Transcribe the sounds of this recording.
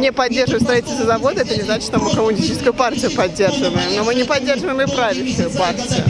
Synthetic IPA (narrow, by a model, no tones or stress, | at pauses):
nʲepɐdʲːe̞rʐɨvəɪmst̪ɾɐitʲɪlʲst̪vəzɐvo̞d̪əɛt̪ənʲɪznat͡ɕɪ̥ʂt̪omɨkəmʊnʲsʲtʲit͡ɕɪ̥skʊʊpartʲɪjʊpɐdʲːerʐɨvəɪmnomɨnʲɪpɐdʲːe̞rʐəvəjɪmɪpɾavʲɪɕʊjʊpartʲɪjʊ̰